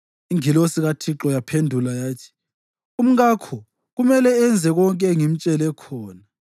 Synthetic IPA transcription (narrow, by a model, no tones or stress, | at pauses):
iŋilosiɣatʰiǁɔjapʰendʱulajaːtʰi̥ | um̩ɣakʰɔ | ɣumɛlɛɛnd͡zʱɛɣɔŋkʼɛŋim̩t͡ʃʼɛlɛkʰɔːna